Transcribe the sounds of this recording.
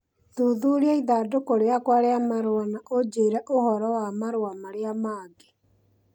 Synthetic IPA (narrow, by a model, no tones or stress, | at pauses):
ðuðuɾeaiðadokoɾeakwaɾeamaɾoanaʔod͡ʒeːɾɛʔohɔɾɔwamaɾowamaɾeamaːɡe